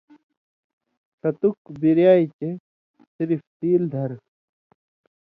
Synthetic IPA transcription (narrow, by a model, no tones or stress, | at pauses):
sɐt̪ukbiɾjaːit͡ɕe | siɾift̪iːld̪ʱɐɾ